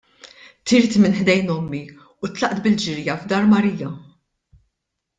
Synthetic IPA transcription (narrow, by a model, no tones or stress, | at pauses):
t̪ɪːɾt̪mɪnħd̪ɛjnɔmːi | ut̪lɐʔt̪bɪld͡ʒɪɾjɐvd̪ɐːɾmɐɾiːjɐ